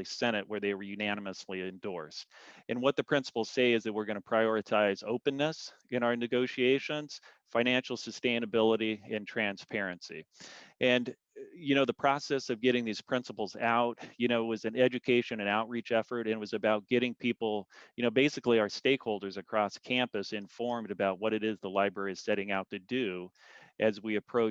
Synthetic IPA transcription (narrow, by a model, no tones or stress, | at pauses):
isɛñɨʔ̚wə˞ðeɪwə˞jʉnænəməsliɨ̃ndɔɹst̚ɨ̃nwʌt̪̚ðɨpʰɹ̥ɪ̃nsə̥pl̩ˠz̥seɪɨzðɨt̚wɨɹɡʌnɨpʰɹ̥aɪɔɹɨtʰaɪzoʊpɨ̃nːɨs | ɨ̃ñaʊə˞nɨɡoʊʃieɪʃɨ̃nz̥fãɪ̃næ̃nʃl̩ˠsɨstẽɪ̃ñɨbɪlˠəɾiɨ̃ntʰɹ̥æ̃nspʰɛɹɨ̃nsḭʔɨ̃n | jɨnoʊðəpʰɹ̥ɑsɛsʌvɡɛɾɪ̃ŋðiz̥pʰɹ̥ɪ̃nsəpl̩ˠzaʊt̚jɨñoʊwʌzɨ̃nɛd͡ʒɨkʰeɪʃɨ̃nɨ̃naʊt̚ɹit͡ʃɛfə˞ɾɨ̃n̚wʌzɨbaʊt̚ɡ̥ɛɾɪ̃ŋpʰipl̩ˠjɨñoʊbeɪsɨkliaʊə˞steɪkhoʊlˠdə˞zɨkʰɹ̥ɔskʰæ̃mpɨsɨ̃ɱfɔɹmdɨbaʊt̚wʌɾɨɾɪzðəlaɪbɹɛɹiz̥sɛɾɪ̃ŋaʊtʰɨdʉ | ʔɨzwiɨpʰɹ̥oʊ